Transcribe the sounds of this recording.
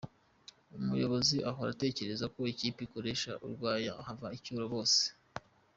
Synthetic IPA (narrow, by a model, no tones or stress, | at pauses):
umujo̞βo̞ziʔaɦoɾa̰te̞ːce̞ɾe̞zako̞iciːpikoɾe̞ʃa̰ʔṵɾɡwaːjahavaicuːɾoβo̞ːse̥